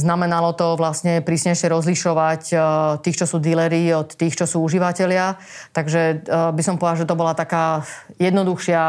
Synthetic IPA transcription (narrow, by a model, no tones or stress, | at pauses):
znamɛnalɔt̪ɔʋlastɲɛpɾiːsɲɛjʃɪɛɾɔzliʃɔʋact̪ːiːxt͡ʃɔsuːd̪ilɛɾiːɔt̪ːiːxt͡ʃɔsuːuʒiʋacɛlɪa | t̪aɡʒɛbisɔmpɔd̪alʒɛt̪ɔbɔlat̪akaːjɛd̪nɔd̪uxʃɪa